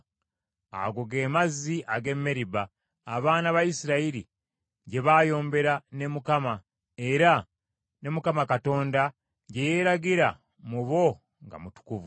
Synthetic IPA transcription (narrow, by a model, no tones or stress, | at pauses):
a̰ɡoɡe̞ːmazːiʔaɡe̞mːeɾibaː | βaːnaβajisiɾaiɾḭ | ɟe̞βaːjo̞ːmbe̞ɾane̞mukama | e̞ɾa | ne̞mukamakato̞ːnda | ɟe̞je̞ːɾaɡiɾa | muβo̞ | ŋɡa̰mutu̥kuvu